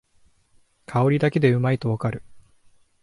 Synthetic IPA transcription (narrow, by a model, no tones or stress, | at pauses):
kʰao̞ɾʲid̪ake̞d̪e̞ɯ̟mait̪o̞βakaɾɯ̟